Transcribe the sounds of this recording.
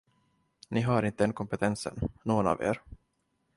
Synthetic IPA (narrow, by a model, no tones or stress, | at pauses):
nɪɦaɾɪnt̪əd̪ɛnkʰɔmpɛt̪ʰɛnsə̰nːoːɡəna̰ːvḛːɾ